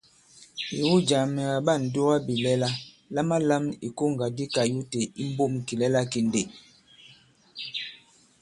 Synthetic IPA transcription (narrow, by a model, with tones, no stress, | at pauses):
i˨wu˦d͡ʒa˨mɛ˨a˨ba˦˨n̩˨do˦wa˦bi˨lɛ˦la˦ | la˦ma˦la˦mi˨ko˦˨ŋ˨ɡa˨di˦ka˨ju˦te˨i˦m˦bo˦˨m˨ki˨lɛ˦la˦ki˦nde˨